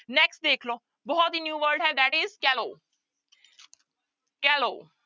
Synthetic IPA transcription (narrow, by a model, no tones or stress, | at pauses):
neksʈ̚d̪ekʰlo | bɔɦɔt̪injuːʋəɾɖɦɛ̃d̪æʈizkælo | kælo